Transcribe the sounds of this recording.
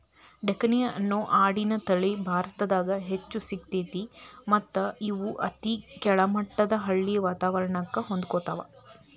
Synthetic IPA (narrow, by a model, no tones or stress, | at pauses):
ɖekɐnijɐʔɐnːoːʔaːɽinɐt̪ɐɭibʱaːɾɐt̪ɐd̪aːɡɐɦet͡ʃːusik̚t̪eːt̪imɐt̪ːɐiʋuʔɐt̪ikɛɭɐmɐʈːɐd̪ɐɦɐɭːijɐʋaːt̪aːʋɐɾɐɳɐkːɐɦo̞nd̪ukoːt̪a̰ːʋɐ̰